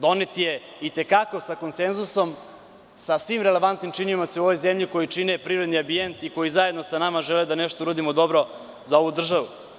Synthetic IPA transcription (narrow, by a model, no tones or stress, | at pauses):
d̪o̞net̪ije | it̪e̞kako̞sakonsenzuso̞m | sasʋimɾele̞ʋant̪nimt͡ʂinimat̪seoʋojzemʎiko̞jit͡ʂinepɾiɾed̪niambijent̪iko̞jizaje̞d̪nosanamaʒeled̪aneʃt̪ouɾad̪imod̪o̞bɾo | zao̞ʋud̪r̩ʒaʋu